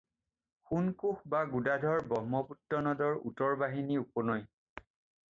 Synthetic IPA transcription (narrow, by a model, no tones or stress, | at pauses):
xunkuxbaɡudadʱɔɹbɔmɔputːɔnɔdɔɹṵtɔɹbaɦiniupɔnɔj